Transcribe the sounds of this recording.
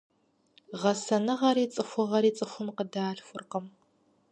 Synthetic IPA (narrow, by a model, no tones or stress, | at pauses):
ʁɐsɐnɨʁɐɾiːt͡sʼɨxʷʊʁɐɾiːt͡sʼɨxʷʊmqədaːɬxʷʊrqəm